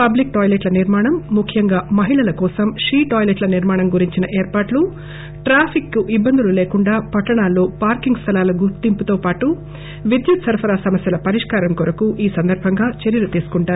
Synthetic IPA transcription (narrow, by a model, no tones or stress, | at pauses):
pɐblik̚ʈɔːjleʈlɐniɾmaːɳɐmːukʰːjɐŋɡaːmɐɦiɭɐlɐkɔːsɐmʂiːʈoːjleʈlɐniɾmaːɳɐmɡuɾiɲt͡ʃinɐʔeːɾpaːʈlu | ʈɾaːpʰikːuʔibːɐnd̪ululeːkuɳɖaːpɐʈːɐɳaːlːoːpaːɾkiŋɡst̪ʰɐlaːluɡuɾt̪imput̪oːpaːʈu | ʋid̪jut̪sɐɾpʰɐɾaːsɐmɐsjɐlɐpɐɾiʂkaːɾɐmkɔɾɐkuʔiːsɐnd̪ɐɾbʱɐŋɡaːt͡ʃeɾjɐlut̪iːsu̥kuɳʈaːɾu